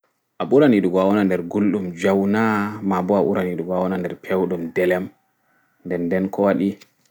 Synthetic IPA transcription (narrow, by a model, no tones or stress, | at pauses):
ʔaɓuɾaniɗuɡɔawɔnandɛɾɡulɗumd͡ʒawnamabɔaʔṵɾaniɗuɡɔawɔnandɛɾpʰewɗumdɛlɛm | ndɛndɛnkʰɔwaɗi